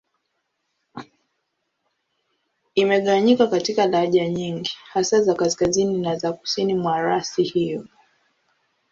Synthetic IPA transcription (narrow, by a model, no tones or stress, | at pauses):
imɛɠawaɲikakatikaɗaɾaʄaɲiŋɡihasazakaskazininazaku̥sinimwaɾasihijɔ